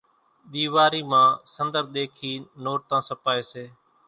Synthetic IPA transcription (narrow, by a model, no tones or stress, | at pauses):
ɗ̪iːʋaːɾiːmãːsənd̪əɾɗ̪eːkʰiːnoːʈ̚t̪ãːsəpaːeːseː